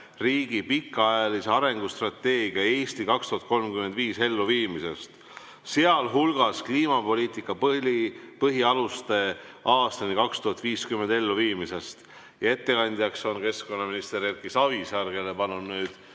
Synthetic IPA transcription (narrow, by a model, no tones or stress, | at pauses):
riːɡ̥ipikːɑɑjɑliseɑɾe̞ŋɡ̥ust̪rɑt̪ːe̞ːɡiɑe̞ːst̪ikɑkst̪uɦɑt̪̚ko̞lmkymed̪viːse̞lːuviːmise̞̰st̪ | se̞ɑlɦulɡ̥ɑskliːmɑpo̞liːt̪ikːˑɑp | pɤɦiɑlust̪e̞ | ʔɑːst̪ɑnikɑkst̪uhɑt̪ːˑviːskymːend̪e̞lːuviːmise̞st̪ | jɑe̞t̪ːe̞kɑnʲd̪̥ʲjɑkso̞nke̞sko̞nːɑminist̪eɾerkisɑvisɑrɡ̥e̞le̞pɑnːud̪nyːd̪̥